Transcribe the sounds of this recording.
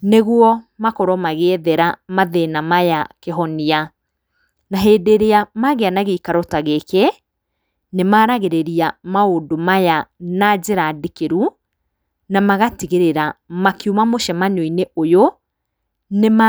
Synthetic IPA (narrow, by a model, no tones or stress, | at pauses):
neɣwɔmakɔɾɔmaɣeðɛɾamaðenamajakeɦɔnia | naɦeːdeɾeamaɣeanaɣeikaɾɔtaɣeke | nemaːɾaɣeɾeɾiamaodomajanad͡ʑeɾadikeɾu | namaɣatiɣeɾeɾamakjumamoʃɛmanoineojo | nema